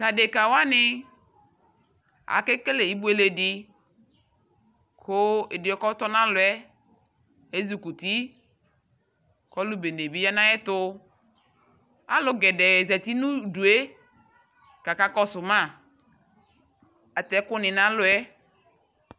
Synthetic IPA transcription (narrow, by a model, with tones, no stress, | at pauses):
ta˨de˨ka˨wa˦nɪ˨ | a̰˨ke˦ke˦le˨i˦bu˦e˦le˨dɪ˦ | kʰʊ˦e˨dɪ˨ɔ˨˦kɔ˦t̪ɔ˦nã˦lʊ˨ɛ˦ | e˦zu˨ku˨t̪i˦ | kɔ˦lu˦be˨ne˨bi˦ja˦nã˦ɛ˦t̪ʊ˦ | a̰˨lʊ˦ɡɛ˨dɛ˨zɛ˨t̪i˦nũ˦du˨e˦ | ka˨ka˦kɔ˦sʊ˨mã˦˨ | a˨t̪ɛ˦kʊ˦nɪ̃˨nã˦lʊ˨ɛ˦